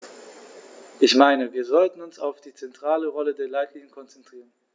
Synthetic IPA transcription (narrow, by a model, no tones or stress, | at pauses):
ʔɪçmaɪnəviːɐzɔltn̩ʊnsa̰ʊfd̥iːt͡sɛntʁ̥aːləʁɔlədeːɐlaɪtliːɲənkʰɔnt͡sɛntʁ̥iːʁən